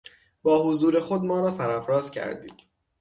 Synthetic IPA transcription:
b̥ɒːhozuːɾe̞xod̪mɒːɾɒːsæɾæfɾɒːzcʰæ̰ɾd̪ḭːd̪

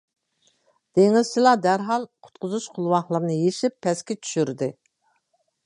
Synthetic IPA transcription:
d̪̥eŋɪz̥t͡ʃʰilˠɑd̪æɾɦɑlˠqʰʊ̥t̪qʰʊzuʃqʰʊlˠwɑχlˠəɾnɨjeʃipʰːɛskʲɛt͡ʃʰy̥ʃyɾd̪ɪ

